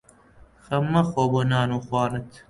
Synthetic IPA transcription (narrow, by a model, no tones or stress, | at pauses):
xɐmːɐxoːbonaːnuːxwɑːrɨt̪